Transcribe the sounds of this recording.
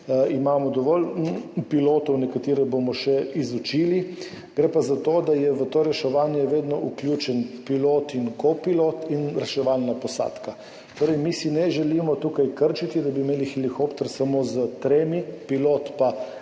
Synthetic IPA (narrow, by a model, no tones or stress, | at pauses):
imaːmɔd̪ɔʋɔlpiloːt̪ɔwnɛkat̪iːɾɛbomɔʃɛizut͡ʃiːli | ɡɾeːpazat̪oːd̪ajɛʋət̪oːɾɛʃɛʋaːnjɛʋeːd̪nɔʔuklʲjuːt͡ʃɛnpiloːt̪inkopilot̪inɾɛʃɛʋalnapɔsa̰ːt̪ka | t̪oːɾɛjmisinɛʒɛliːmɔt̪uːkajkəɾt͡ʃit̪id̪abimeːlixɛlixoːpt̪ɛɾsamoːzət̪ɾeːmipilot̪pa